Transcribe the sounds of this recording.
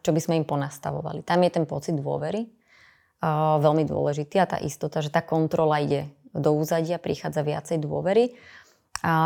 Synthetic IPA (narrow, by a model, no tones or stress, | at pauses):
t͡ʃɔbizmɛimpɔnaːst̪a̰ʋɔ̰ʋa̰lit̪amjɛt̪ɛnpɔt͡sid̪ːʋʊɔ̰ʋɛɾi | ʋɛlmid̪ʊɔ̰lɛʒit̪iːat̪a̰ːʔist̪ɔt̪aʒɛt̪aːkɔnt̪ɾɔlaiɟɛd̪ɔuːzaɟɪapɾixaːd͡zaʋɪa̰t͡sɛjd̪ʊɔ̰ʋɛɾi | a